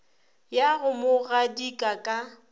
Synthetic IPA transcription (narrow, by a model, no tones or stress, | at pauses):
jaɣʊmʊɣadikʼakʼa